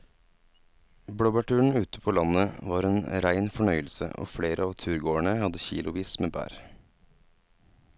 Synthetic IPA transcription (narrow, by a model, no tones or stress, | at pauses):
bɽɔbɑʈʰʉːɳ̩ʉːt̪ə̥pʰoːlɑnəʋɑːɾeːnɾæɪnfɔɳœʏəlsə̰ʔo̰ːfɽeːɾʔəɑːʋt̪ʰʉːɾɡoːəɳəhɑd̪əçḭːlʊʋiːsmeːbæ̰ːɾ